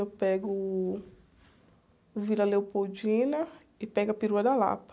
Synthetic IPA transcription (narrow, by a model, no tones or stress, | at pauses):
ewpɛɡʊ | vilɐlewpod͡ʒĩnɐ | ɪpɛɡɐpiɾuɐd̪ɐla̰pɐ̥